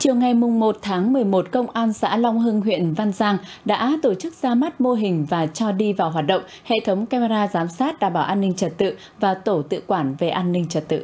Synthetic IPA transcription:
t͡ɕi˨˩əwŋa˨˩jmʊ˨˩ŋ͡mmo˨˩t̚t̪ʰaː˨˦ŋmɨ˨˩əjmo˨˩t̚kə˧wŋ͡mʔaː˧nsa̰ː˧˥la˧wŋ͡mɦɨ˧ŋɦwḭ˧˨ənva˧nzaː˧ŋ | ɗa̰ː˧˥t̪o˧˩t͡ɕɨ˦˥k̚z̥aː˧ma˦˥t̚mo˧ɦï˨˩ŋ̟vaː˨˩t͡ɕɔ˧ɗi˧vaː˨˩wɦaː˨˩t̚ɗə̰˧˨wŋ͡mhḛ˧˨t̪ʰə˨˦wŋ͡mkaː˧me˧ɾaː˧zaː˨˦msaː˦˥t̚ɗaː˨˩mɓaː˧˩wʔaː˧nːï˧ŋ̟t͡ɕə˨˩t̚t̪ɨ̰˧˨ | vaː˨˩t̪o˧˩t̪ɨ̰˧˨kwaː˧˩nve˨˩ʔaː˧nːï˧ŋ̟t͡ɕə˨˩t̚t̪ɨ̰˧˨

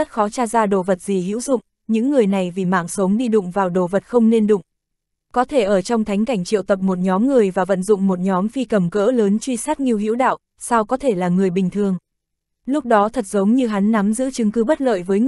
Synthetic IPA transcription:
ə˦˥t̚xɔ˨˦t͡ɕaː˧zaː˧ɗo̰˧˨və˨˩t̚z̥i˨˩ɦḭ˧˥wzʊ̰˧˨ŋ͡m | ɲɨ̰˧˥ŋːɨ˨˩əjna˨˩jvi˨˩ma̰ː˧˨ŋsə˨˦wŋ͡mɗi˧ɗʊ̰˧˨ŋ͡mvaː˨˩wɗo̰˧˨və˨˩t̚xə˧wŋ͡mne˧nɗʊ̰˧˨ŋ͡m | kɔ˨˦t̪ʰe˧˩ʔəː˧˩t͡ɕɔ˧wŋ͡mt̪ʰa˨˦ŋ̟ka˧˩jŋ̟t͡ɕḭ˧˨wt̪ə˨˩p̚mo˨˩t̚ɲɔ˨˦mŋɨ˨˩əjvaː˨˩və̰˧˨nzʊ̰˧˨ŋ͡mmo˨˩t̚ɲɔ˨˦mfi˧kə˨˩mkə̰ː˧˥ləː˨˦nt͡ɕwi˧saː˦˥t̚ŋi˧əwɦḭ˧˥wɗa̰ː˧˨w | saː˧wkɔ˨˦t̪ʰe˧˩laː˨˩ŋɨ˨˩əjɓï˨˩ŋ̟t̪ʰɨ˨˩əŋ | lʊ˦˥k͡p̚ɗɔ˨˦t̪ʰə˨˩t̚zə˨˦wŋ͡mɲɨ˧ɦa˨˦nːa˨˦mzɨ̰˧˥t͡ɕɨ˨˦ŋkɨ˨˦ɓə˦˥t̚lə̰ː˧˨jvəː˨˦j

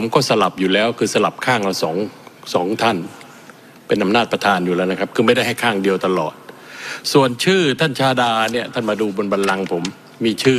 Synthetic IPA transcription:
pʰo˩˦mkɔː˥˩sa˧la˨˩p̚juː˨˩lɛː˦˥wkʰɯː˧sa˧la˨˩p̚kʰaː˥˩ŋlaː˦˧˩wsɔː˩˦ŋsɔː˩˦ŋt̪ʰa˥˩n | pe˧nʔa˧mnaː˥˩t̪̚pɾa˧t̪ʰaː˧njuː˨˩lɛː˦˥wna˥kʰa˦˥p̚kʰɯː˧ma˥˩jda˥˩jɦa˥˩jkʰaː˥˩ŋdi˧əwt̪a˧lɔ̰ː˨˩t̪̚su˨˩ənt͡ɕʰɯː˥˩t̪ʰa˥˩nt͡ɕʰaː˧daː˧ni˥˩ɐt̪ʰa˥˩nmaː˧duː˧bo˧nba˧nla˧ŋpʰo˩˦mː | iː˧t͡ɕʰɯː˥˩

